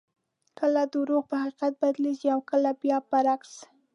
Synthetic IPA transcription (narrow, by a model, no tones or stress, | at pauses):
kəlad̪əwɾoɣpəhaqiqat̪̚bad̪leziawkəlabjɑpaɾaks